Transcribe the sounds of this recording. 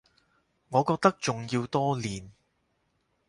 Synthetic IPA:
ŋɔː˨˧kɔː˧k̚t̪ɐ˥k̚t͡sʊ˨ŋjiː˧wt̪ɔː˥liː˨n

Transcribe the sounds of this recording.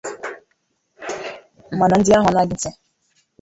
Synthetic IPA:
m̩˨ma˨na˨n̩˦dɪ˦a˦ɦʊ˨na˦dɪ˦n̩˦te˦

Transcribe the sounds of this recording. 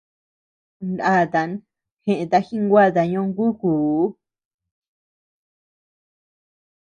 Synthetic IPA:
nda˦˨t̪a˨n | xẽ˧ʔẽ˧t̪a˧xĩ˦ŋɡʷa˦˨t̪̬a˧ɲõ˧ŋɡu˦ku˨˦

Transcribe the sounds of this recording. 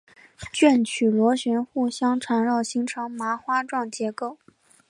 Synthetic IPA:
t͡ɕɥɛ˥˩nt͡ɕʰy˨˩lwɔ˧˥ɕɥɛ˧˥nxu˥˩ɕjɑ˥ŋʈ͡ʂʰɑ˧˥ŋɻɑ˥˩ʊɕi˧˥ŋʈ͡ʂʰɑ˧˥ŋma˧˥xwa˥ʈ͡ʂwɑ˥˩ŋt͡ɕjɛ˧˥ko˥˩ʊ

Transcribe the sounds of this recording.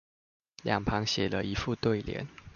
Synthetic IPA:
ljʔɑ˨˩ŋpʰɑ˧˥ŋɕjɛ˨˩lə˦i˧˥fu˥˧t̪we˥˩ɪljɛ̰˧˦n

